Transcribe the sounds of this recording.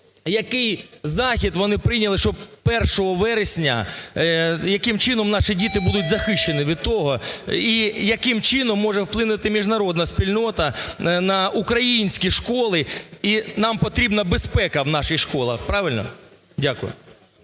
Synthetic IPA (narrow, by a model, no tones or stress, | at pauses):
jɐkɪjzɑxʲid̪ʋɔnɪpɾɪjnʲɐlˠɪʃt͡ʃɔbpɛrʃɔɦɔʋɛɾesʲnʲɐ̰ | jɐkɪmt͡ʃɪnɔmnɑʃɪdʲit̪ɪbud̪ʊtʲzɐxɪʃt͡ʃːenɪʋʲid̪̚t̪ɔɦɔijɐkɪmt͡ʃɪnɔmːɔʒɛwplˠɪnʊt̪ɪmʲiʒnɐɾɔd̪nɐspʲilʲnɔt̪ɐnɐʔukɾɐjinʲsʲkʲiʃkɔlˠɪinɑmpɔt̪ɾʲibnɐbespɛkɐwnɑʃɪxʃkɔlˠɐ̰xpɾɑʋɪlʲnɔ̰ | dʲakʊjʊ̰